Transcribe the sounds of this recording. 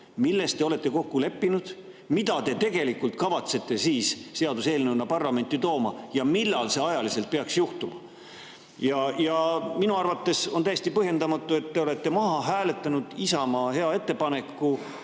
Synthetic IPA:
milːe̞st̪ːe̞o̞le̞t̪ːˑe̞ko̞kːule̞pːinud̪̥ | mid̪ɑt̪e̞t̪e̞ɡe̞likːult̪kɑvɑt̪se̞t̪ːˑe̞siːsse̞ɑd̪use̞ːlnenːɑpɑrlɑme̞nʲt̪ːˑit̪o̞ːmɑjɑmilːɑlse̞ɑjɑlise̞lt̪̚peɑksjuht̪umɑ | jɑjɑminuɑrvɑt̪ːe̞so̞nt̪æjest̪ipɤɦje̞nd̪ɑmɑt̪ːˑue̞t̪ːeo̞le̞t̪ːe̞mɑɦɑɦæːle̞t̪ːˑɑnud̪̥isɑmɑhe̞ɑe̞t̪ːe̞pɑne̞kːˑu

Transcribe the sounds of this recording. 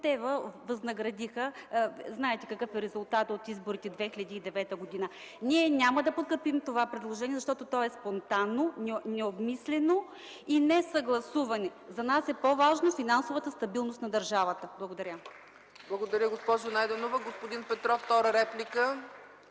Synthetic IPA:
t̪ɛvəvɐznɐɡɾɐd̪ixəznaɛt̪ɛkɐkɤfɛɾɛzʊlˠt̪at̪ot̪izboɾit̪ɛd̪vɛxilɐd̪iːd̪ɛvɛt̪əɡod̪inə | niɛnʲaməd̪ɐpot̪̚kəɾpimt̪ovapɾɛd̪lˠoʒɛniɛzɐʃt̪ɔt̪ot̪ɔɛspont̪anːonɛnɛobmislɛno | inɛsɐɡlˠɐsuvɐnɛzɐnasɛpovaʒnofinansovət̪əst̪ɐbilˠnost̪nɐd̪ɐɾʒavət̪əblˠɐɡod̪ɐɾʲə | blˠɐɡod̪ɐɾʲjəɡospɔʒʊnajd̪ɛnovəɡospod̪inpɛt̪ɾɔft̪ɔɾəɾɛplʲikə

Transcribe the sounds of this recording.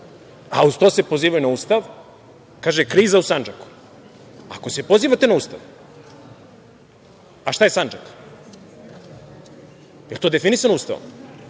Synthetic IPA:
a̰uzt̪osepo̞ziːʋajunauːst̪aʋ | kaːʒekɾiːzausand͡ʒaku̥ | a̰ko̞se̞po̞ziːʋat̪e̞nauːst̪a̰ʋ | aʃt̪ajesand͡ʒak | jelˠt̪oːd̪efinisanouːst̪aʋo̰m

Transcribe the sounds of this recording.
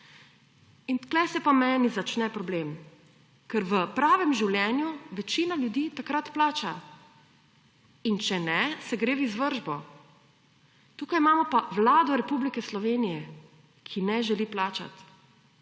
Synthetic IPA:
int̪klɛsɛpamɛːnizat͡ʃnɛpɾɔblem | kɛɾʋəpɾaːʋɛmʒiwljɛːnjuʋɛt͡ʃiːnalʲjud̪iːt̪akɾat̪plaːt͡ʃa | int͡ʃɛnɛsɛɡɾeːʋizʋəɾʒbɔ | t̪uːkajimaːmɔpaʋlaːd̪ɔɾɛpublikɛslɔʋeːnijɛ | kʰinɛʒɛliːplaːt͡ʃa̰t̪

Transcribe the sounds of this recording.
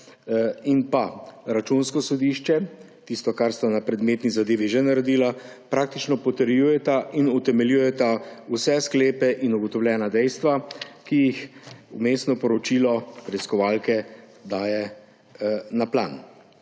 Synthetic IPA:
inpaɾat͡ʃunskɔsɔd̪iʃt͡ʃɛ | t̪ist̪ɔkaɾst̪anapɾɛd̪meːt̪nizad̪eːʋiʒɛnaɾɛd̪iːla | pɾaːk̚t̪it͡ʃnɔpɔt̪ɛɾjujɛt̪aʔinut̪ɛmɛljuːjɛt̪ausɛskleːpɛʔinuɡɔt̪ɔwlʲjɛːnad̪ɛjst̪ʋakijixumeːst̪nɔpɔɾɔt͡ʃiːlɔpɾɛiskɔʋaːlkɛ | d̪aːjɛ | napla̰n

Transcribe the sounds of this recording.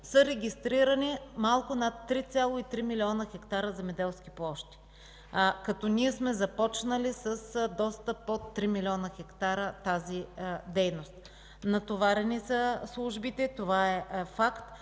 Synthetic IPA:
səɾɛɡʲist̪ɾiɾənimalˠkʊnat̪ːɾit̪sʲjalˠoit̪ɾimilʲiɔnəxɛkt̪aɾəzɛmɛd̪ɛlˠskʲiplˠɔʃt̪i̥ | kɐt̪ɔniɛsmɛzɐpɔt͡ʃnəlisəsd̪ɔst̪əpot̪ːɾimilʲiɔnəxɛkt̪aɾət̪azid̪ɛjnost̪ | nɐt̪ovaɾɛnisəslˠuʒbit̪ɛt̪ovaɛfakt̪

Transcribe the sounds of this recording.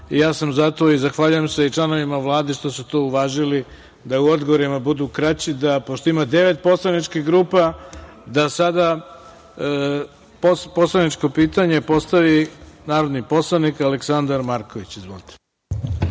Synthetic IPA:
ijaːsamzat̪o̞izaxʋaʎuje̞mse̞it͡ʃlˠano̞ʋimaʋlˠaːd̪eʃt̪o̞sut̪ouʋaːʒili | d̪auo̞d̪ɡoʋoɾimabud̪uːkɾat͡ɕid̪apo̞ʃt̪oimad̪e̞ʋe̞t̪̚po̞slˠanit͡ʃkixɡɾuːpa | d̪asad̪a | popo̞slˠanit͡ʃko̞piːt̪aɲe̞po̞st̪aʋinaːɾo̞d̪nipo̞slˠanikaleksand̪aɾmaɾko̞ʋit͡ɕizʋo̰lt̪ʰe̥

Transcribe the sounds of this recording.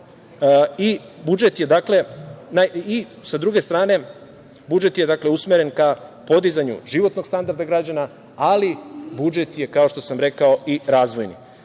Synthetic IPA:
i | bud͡ʒe̞t̪je̞d̪akle̞naisad̪ɾuɡe̞st̪ɾaːne̞ | bud͡ʒe̞t̪jed̪akle̞usmeɾe̞nkapo̞d̪izaɲṵʒiʋo̞t̪no̞ɡst̪and̪aɾd̪aɡɾad͡ʑana | alibud͡ʒe̞t̪je̞kao̞ʃt̪o̞samɾe̞kao̞iɾaːzʋo̞jnḭ

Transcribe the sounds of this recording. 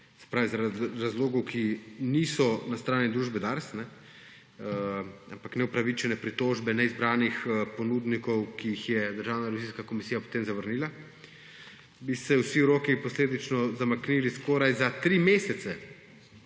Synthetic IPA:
sɛ̥pɾaːʋizɾɾazloːɡɔwkʰiniːsɔnast̪ɾaːnid̪ɾuːʒbɛd̪aɾsnɛ | ampaknɛupɾaʋit͡ʃɛnɛpɾit̪oʒbɛnɛizbɾaːnixpɔnuːd̪nikɔwkiːxjɛd̪əɾʒaːwnaɾɛʋʲiziːskakomisiːjapo̥t̪eːmzaʋəɾniːla | bisɛwsiwɾoːkipɔsleːd̪it͡ʃnɔzamakniliskoːɾajzat̪ɾimeːsɛt̪sɛ

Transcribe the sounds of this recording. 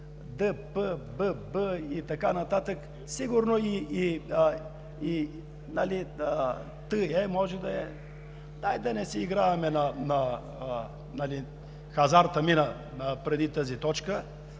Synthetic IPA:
d̪əpəbəbəit̪ɐkanɐt̪at̪ək | siɡuɾnoiː | i | naliə | t̪əɛmɔʒɛd̪ɐɛ | d̪ajd̪ɐnɛsɛiɡɾavɐmɛnɐnɐ | nali | xɐzaɾt̪ɐminɐ | nəpɾɛd̪it̪əzit̪ɔt͡ʃkə

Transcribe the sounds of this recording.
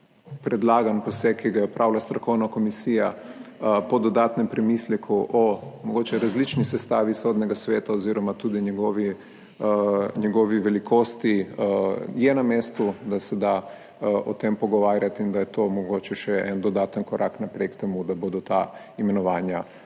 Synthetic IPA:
pɾɛd̪laːɡanpɔsɛkiɡajɛɔpɾʔawlast̪ɾɔkɔwnakomisija | pɔd̪ɔd̪aːt̪nɛmpɾɛmislɛkʰuʔɔmɔɡoːt͡ʃɛɾazlit͡ʃnisɛst̪aːʋisod̪nɛɡasʋeːt̪aoziːɾɔmat̪uːd̪iɲɛɡɔːʋi | ɲɛɡɔʋiʋɛlikoːst̪i | jɛnameːst̪ud̪asɛd̪a | ɔt̪empɔɡɔʋaːɾjat̪ind̪ajɛt̪oːmɔɡoːt͡ʃɛʃɛɛnd̪ɔd̪aːt̪ənkɔɾʔaknapɾekt̪ɛmud̪abod̪ɔt̪a | imɛnɔʋaːnja

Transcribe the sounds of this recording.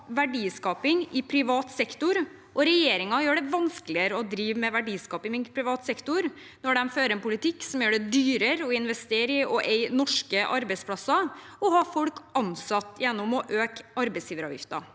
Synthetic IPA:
ʋæɖiːskɑːpɪŋɪpʰɾɪʋɑːt̪sɛkt̪ʊɾ | ʔɔɾɛjeːɾɪŋɑjøːɖɛʋɑnskəlɪəɾəɔd̪ɾiːʋmɛʋæɖiːskɑːpɪŋɪŋpʰɾɪʋɑːt̪sɛkt̪ʊɾ | nɔɖɛmføːɾɛnpʊlɪt̪ɪkːsɔmjøːɖɛd̪yːɾəɾɔɪnʋɛst̪eːɾɪɔʔeɪnɔʂkəʔɑɾbɛɪtspʰlɑsɑɔhɑfɔlkɑnsɑt̪ːjɛnːʊmɔʔøːkɑɾbɛsjiːʋəɾɑ̰ːʋjɪ̰ft̪ɑ̰

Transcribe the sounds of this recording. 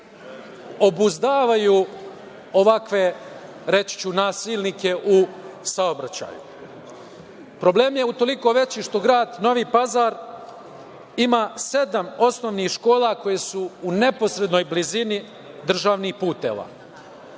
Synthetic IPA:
o̞buzd̪aːʋaju | o̞ʋakʋe̞ | ɾe̞t͡ʃi̥t͡ɕunaːsiːlˠnike̞ʔusaobɾat͡ɕa̰ːjṵ | pɾo̞ble̞ːmje̞ut̪o̞liko̞ʋe̞t͡ɕiːʃt̪o̞ɡɾaːd̪no̞ʋiːpazaːɾ | imaːse̞d̪amo̞sno̞ːʋnixʃko̞ːlako̞jesuune̞po̞sɾe̞d̪nojblizini | d̪r̩ʒaːʋnixpuːt̪e̞̰ʋa̰ː

